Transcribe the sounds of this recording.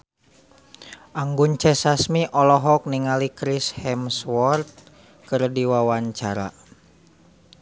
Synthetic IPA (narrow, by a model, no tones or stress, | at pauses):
ʔaŋɡuɲt͡ʃɛsasmiʔɔlɔɦɔk̚niŋalikɾishɛmswɔrt̪̚ | kɨrdiwawaɲt͡ʃaɾa̰